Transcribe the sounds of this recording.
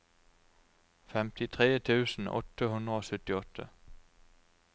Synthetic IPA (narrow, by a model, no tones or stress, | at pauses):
fɛmt̪ɪt̪ʰʁeːt̪ʰʉːsn̩ʔɔ̰t̪əhʉnd̪ʁəoːsœt̪ɪɔt̪ʰːə̰